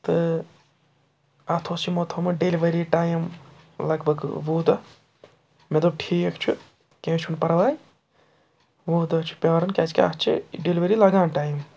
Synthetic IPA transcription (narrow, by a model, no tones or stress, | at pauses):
t̪ɨ | ɐt̪ʰoːsimot̪ʰomɨɖeliʋɐɾiːʈaːjm | lɐɡbʱɐɡʋoːd̪ɐ | med̪ob̚ʈʰiːkt͡ʃʰu | kẽːt͡ʃʰunpɐɾʋaːj | ʋoːd̪ɐt͡ʃʰu̥pʲjaːɾɐnkʲɐd͡ʒkʲa̰t͡ʃʰḭɖeliʋɐɾilɐɡãːnʈaːjim